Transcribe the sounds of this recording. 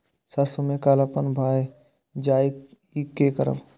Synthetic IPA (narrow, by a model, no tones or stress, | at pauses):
sasomekaːlapənbʱaːe | d͡ʒaːi | ikːekə̰ɾə̰ʋ